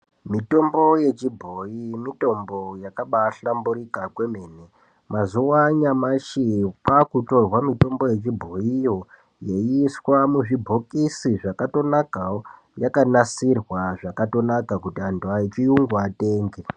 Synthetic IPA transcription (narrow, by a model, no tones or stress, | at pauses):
mito̞mbo̞je̞t͡ʃibʱo̞jimito̞mbo̞jakaɓaɬambuɾikakwe̞meːne | mazuwaɲamaʃipakuto̞rwamito̞mbo̞je̞t͡ʃibʱo̞ijo̞ | je̞ːswamuʐibʱo̞kisiʐakato̞nakao | jakanasirwaʐakato̞nakakutianduait͡ʃijuŋɡuateːŋɡe